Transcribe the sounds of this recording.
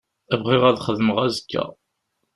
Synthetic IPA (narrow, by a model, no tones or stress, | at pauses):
ævʁiʁæðχəðəməʁæzəkʰːæ̰